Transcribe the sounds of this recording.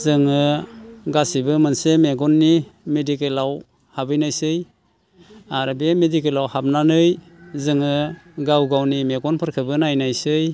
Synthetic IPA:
zɯŋɯɡasibɯmɯnsemeɡɔnːimedikelaw | habɯjnajsɯj | aɾbemedikelawhap̚nanɯj | zɯŋɯɡawɡawnimeɡɔnpʰɯɾkʰɯbɯnajnajsɯj

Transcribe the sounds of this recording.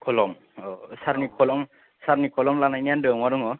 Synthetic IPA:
kʰɔlɔm | ɔsaɾnikʰɔlɔm | saɾnikʰɔlɔmlanajnijandɯmaɾɔŋɔ

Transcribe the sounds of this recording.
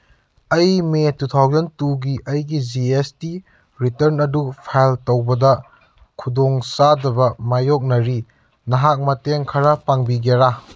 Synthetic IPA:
ɐjmetutʰawzɐntuɡiʔɐjɡid͡ʒiesti | ɾitɐɾnɐdupʰajltowbɐdɐ | kʰudoŋsadɐβɐmajok̚nɐɾi | nɐɦak̚mɐteŋkʰɐɾɐpaŋbiɡeɾa

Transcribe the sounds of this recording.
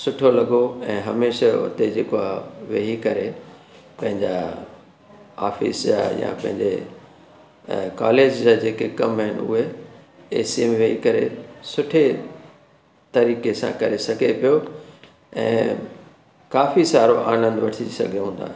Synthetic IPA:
sʊʈʰolɐɠoɛ̃ːɦɐmeːʃaʊ̰t̪ed͡ʑeːkoaːʋeːɦikɐɾe | pɐ̃ɦɪ̃ɲd͡ʑa | a̰ːfḭsd͡ʑa̰jã̰pɐ̃ɦɪ̃ɲd͡ʑḛ | kaːleːd͡ʑd͡ʑaːd͡ʑeːkekɐmɦɪnʊ̰ɦe | eːsimʋeːɦikɐɾesʊʈʰe | t̪ɐɾiːkesã̰kɐɾesɐɡʱepijo | ɛ̰̃ː | kaːfisaːɾoʔaːnə̃nd̪ʋɐʈʰisɐ̰ɡʱeɦũːn̆d̪a̰ː

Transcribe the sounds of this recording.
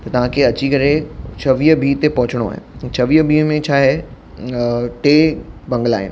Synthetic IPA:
t̪ɐt̪ɐʋ̤ãkʰeɐt͡ɕikɐɾet͡ɕʰɐʋiːbʱiːt̪epɐɦʊt͡ɕɪɽ̃oa̰ːɦḛt͡ɕʰɐʋiːɦbʱiːmẽt͡ɕʰaːɦe | ʈeːbɐ̃ŋɡəla̰ːɦɪn

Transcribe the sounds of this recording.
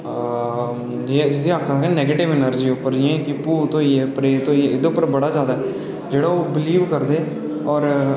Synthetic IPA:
d͡ʒeːd͡ʒɪt̪ĩakʰːakɛ̃ːnɛːɡeːʈɪʋɪnəɾd͡ʒiːʊpːəɾd͡ʒɛ̃ːkɪpuːt̪õːiːɛːpɾeːt̪õːiɛɪd̪eːʊpːəɾbəɽaːzjaːd̪aɛ | d͡ʒeːɽaːoːbɪliːʋkəɾd̪eː | ɔːɾ

